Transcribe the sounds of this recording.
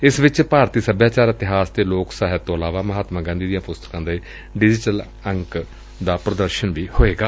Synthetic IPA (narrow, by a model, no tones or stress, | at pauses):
ɪsʋɪt͡ʃpaːɾt̪iːsəbʱjaːt͡ʃaːɾɪt̪ɪɦaːsd̪eːloːksaːɦɪt̪ːõːəlaːʋaːməɦaːt̪mãːɡə̃ːnd̪iːd̪ijãːpʊst̪ə̥kãːd̪eː | ɖɪd͡ʒɪʈəl | əŋk | d̪aːpɾəd̪əɾʃənʋiːhoːeːɡaː